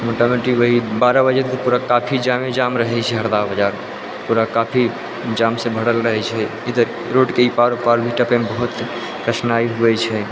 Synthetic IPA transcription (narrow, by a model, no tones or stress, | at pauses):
moʈameʈiʋəɦibaɾabəd͡ʒət̪ɔpuɾakapʰid͡ʒamed͡ʒamɾəɦɛt͡ʃʰɛɦəɾd̪abəd͡ʒaɾ | puɾakapʰi | d͡ʒamsẽbʱəɽəlɾəɦɛt͡ʃʰɛ | id̪əɾ | ɾoɖkeipaɾopaɾbʱiʈəpembəɦut̪ | kɾəsnaiɦuɛt͡ʃʰɛ